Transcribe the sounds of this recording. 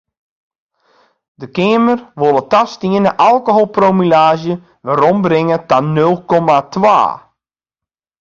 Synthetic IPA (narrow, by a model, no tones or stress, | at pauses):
dəkɪəmərʋolˠətastiənəʔalˠkoɦolˠpromilaːʒjə | ʋaɾɔmbrɪŋətanølˠkɔmatʋa̰ː